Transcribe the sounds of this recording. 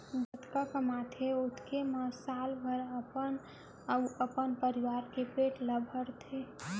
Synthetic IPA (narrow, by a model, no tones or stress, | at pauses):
d͡ʒət̪kakəmat̪ʰeot̪ʰkemasalbʱəɾəpən | əwəpənpəɾiʋaːɾkepeːʈləbʱəɾt̪ʰe